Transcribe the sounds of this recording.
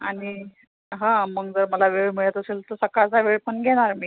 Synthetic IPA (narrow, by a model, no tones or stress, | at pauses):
aɽi | ɦãməɡ̚d͡zəɾməlaʋeɭmiɭjat̪əseːlt̪əɾsəkat͡saʋeɭpəɳɡʱɛɽ̃aɾmiː